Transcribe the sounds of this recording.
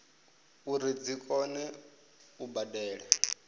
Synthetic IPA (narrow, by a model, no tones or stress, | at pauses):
uɾid͡zikʼɔnɛ | ubadɛːɺɛ